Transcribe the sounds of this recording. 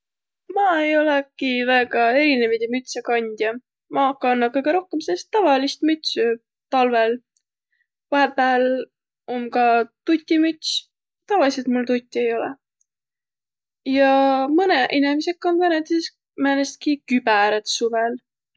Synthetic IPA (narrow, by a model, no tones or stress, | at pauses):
mɑːejo̞lɛkivæːɡɑe̞ɾinevid̪emyt̪sekɑnʲd̪̥jɑ | mɑɑkːˑɑɑnːɑkɤjɡ̥eɾo̞hkemsest̪ːɑvɑlist̪myt̪ʲsy | t̪ɑlvel | vɑɦepˑæːl | o̞nkɑt̪ut̪ʲːˑimyt̪ʲs | t̪ɑvɑliset̪mult̪ut̪ʲˑːie̞jo̞lɛ̰ | jɑmɯneʔinemise̞kːonvænet̪iss | mænest̪̚kikyb̥æɾet̪suvel